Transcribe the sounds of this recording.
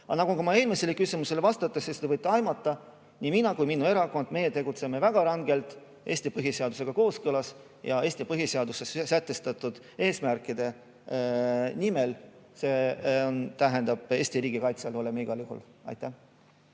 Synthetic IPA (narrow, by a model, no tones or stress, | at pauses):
ɑnɑɡ̥ukumɑe̞ːlmiselekysimuse̞levɑst̪ɑt̪ːˑɑsist̪evɤjt̪ːˑeɑjmɑt̪ːˑɑ | nʲiminɑkujminːue̞ɾɑko̞nd̪̥me̞jet̪e̞ɡut̪se̞me̞væɡ̥ɑɾɑŋɡ̥e̞lt̪ˑ | e̞ːsʲt̪ipɤɦise̞ɑd̪̥use̞ɡ̥ɑko̞ːskɤlɑs | jɑ̰e̞ːst̪ipɤɦise̞ɑd̪̥usessæt̪ːe̞st̪ɑt̪ːud̪̥ | e̞ːsmærkːˑid̪̥e̞ | nimelse̞ont̪æɦend̪̥ɑb̥e̞ːsʲt̪iɾiːɡikɑjt̪sɑlo̞lemiɡ̥ɑljuɦṵlɑ̰jt̪ˑːæh